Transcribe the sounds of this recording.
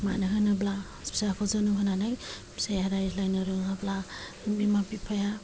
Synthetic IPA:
ma̰nɯɦɯnɯblahspi̥sakʰɔzanɯɦɯnanaj | sejaɾajzlajnɯɾɯɦabla | bimapipʰaja

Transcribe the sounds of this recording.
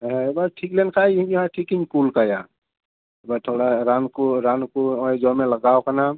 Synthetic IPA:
ɦebaʈʰiklenkʰaiimjɦãʈʰikinkulkəja | ebat̪ʰoɽaɾankoɾankoɔ̃jd͡ʒɔmeləɡaokəna

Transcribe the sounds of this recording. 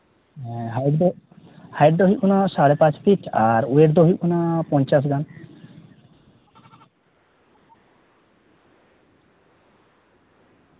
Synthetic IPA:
ɦajɖd̪ | hajɖd̪oɦikunaʃaɽepãt͡ɕfʰiʈʰaɾueɾd̪oɦiunapɔnt͡ɕasɡan

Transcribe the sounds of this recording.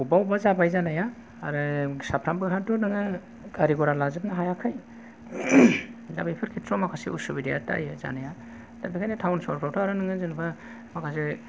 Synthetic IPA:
ubawbazabajzanajaː | ɾɯsapʰɾambɯɦadunɯŋɯ | ɡaɾiɡɔɾalazɯp̚naɦajakʰaj | dabajpʰɯɾkʰitʰɾɔmakʰasḭusubidija̰ta̰jɯza̰naja | d̥abikʰajnɯtʰawnsɔɾpʰɾawtʰaɾanɯŋɯzɯnbʰa | makʰase

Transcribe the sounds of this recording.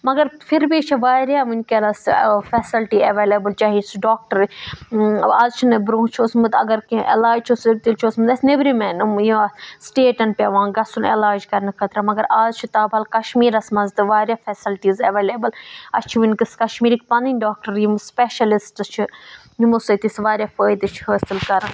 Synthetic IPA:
mɐɡɐɾfʰiɾbit͡ʃʰiʋaːɾjaːmunʲkelɐsfɛːsilʈiɐʋeːleːbɐlt͡ʃaːɦisɖaːk̚ʈɐɾ | aːzt͡ʃʰinɨbɾõːt͡ʃʰosmɨt̪ɐ̰ɡɐɾkiʔḛlaːd͡ʒt͡ʃʰosb̚t̪ilt͡ʃʰosmɨd̪ɐsnebɾimɛːnumjusʈeːʈɐnpʲjaʋãːɡɐsunḛlaːd͡ʒkɐɾnɨkʰɐt̪ɾamɐɡɐɾaːzt͡ʃʰit̪aːbʱɐlkɐʃmiːɾɐsmɐnzt̪ɨʋaːɾjaːfʰɛːsilʈiːzɐʋeːleːbɐlɐ̰st͡ʃʰiʋinkɨskɐʃmiːɾik̚pɐnd̪inʲɖaːk̚ʈɐɾjimspeːʃɐlisʈt͡ʃʰi | jumusɨt̪isʋaːɾʲjaːfəːjd̪ɨt͡ʃʰɦəːsilkɐɾn

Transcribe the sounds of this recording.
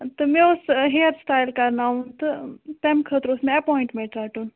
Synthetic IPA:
t̪ɨmẽʊsɦeːɐɾsʈaːjlkɐɾnaːũnt̪ɨt̪emkʰəːt̪ɾosmẽɐpoːiɳʈmẽɳʈɾaːʈuːn

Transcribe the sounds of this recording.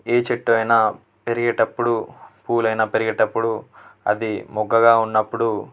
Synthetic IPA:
eːt͡ʃeʈːuʋɐjnɐ | peɾiɡɐʈɐpːuɽupuːlɐjnɐpeɾiɡɐʈɐpːuɽuɐ̰d̪imɔɡːɐɡaːunːɐpːuɽu

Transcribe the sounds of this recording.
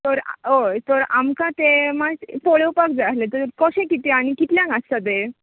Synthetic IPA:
t̪əɾ̰ot̪əɾamkãt̪emapoɭewpak̚d͡zaɦlet̪əɾkɔɕẽkit̪eañikit̪ljãɡãst̪at̪e

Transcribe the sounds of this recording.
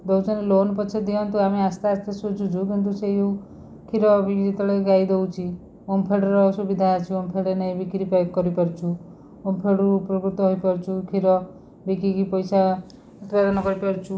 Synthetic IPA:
d̪ɔwt͡ʃɔnelonpɔt͡ʃʰed̪iɔnt̪uameast̪aːst̪ʰesud͡ʒʰud͡ʒʱukint̪̬usejou | kʰiɾɔbikɾit̪ɔɽeɡajd̪owt͡ʃʰi | ompʰeɽɔɾɔsubid̪ʱat͡ʃʰiompʰeɽenɛjbikɾipekkːɔɾipɔɾt͡ʃʰu | ompʰeɽupɾɔkɾut̪ɔɦojpɔɾt͡ʃʰukʰiɾɔ | bikikipɔjsa | ut̪pad̪ɔnɔkɔɾipɔɾt͡ʃʰu

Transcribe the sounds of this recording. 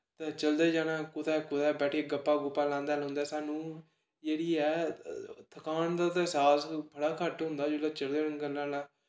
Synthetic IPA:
t̪ẽːt͡ʃəld̪eːd͡ʒaːɽãːkʊt̪ɛːkʊt̪ɛːbɛːʈʰeːɡəpːaːɡʊpːaːlãːnd̪aːlɦʊ̃nd̪aːsaːnũː | d͡ʒeːɽiːɛː | t̪ʰəkaːnd̪aːt̪ːsaːspʰəɽaːkʰəʈɦʊ̃nd̪aːd͡ʒoːlaːt͡ʃəld̪eːnə̃ɡəlːãːnaː

